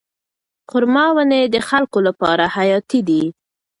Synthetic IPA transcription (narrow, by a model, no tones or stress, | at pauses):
qʊɾmɑwəned̪əxalkolapɑɾahajɑt̪id̪i